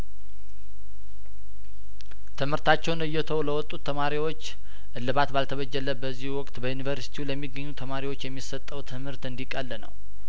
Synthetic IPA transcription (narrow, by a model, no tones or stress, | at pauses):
t̪ʰɨmhɨɾt̪ʰat͡ʃːɛwnɨjːɛt̪ʰəwləwɔt̪ʼːut̪ʰːəmaɾiwot͡ʃː | ʔɨlːɨβat̪balt̪ʰəβəd͡ʒːələbəzːihuwɔkʼt̪bəjunivəɾsi̥t̪ʰiuləmːiɡːəɲːut̪ʰəmaɾiwo̞t͡ʃːjɛmːisət̪ʼːəwt̪ʰɨmhɨɾt̪ɨnd̪ikʼəlːnə̰w